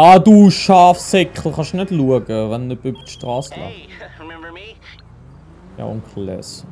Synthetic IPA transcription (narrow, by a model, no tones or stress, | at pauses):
aduʃaːfsɛkχl̩χɑʃnɛdluəɡəvɛnəbybətʃtʁɑːsla̰ | ja̰ʊ̰nklɛ̰s